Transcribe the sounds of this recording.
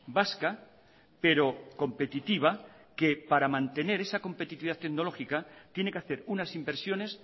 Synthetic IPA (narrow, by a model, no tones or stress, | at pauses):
baska | pe̞ɾo̞ko̞mpe̞t̪it̪iβ̞a | ke̞paɾamãnt̪e̞ne̞ɾe̞sako̞mpe̞t̪it̪iβiðat̪eɡno̞lo̞xikat̪je̞nekeaθe̞ɾunasimbeɾsjo̞ne̞s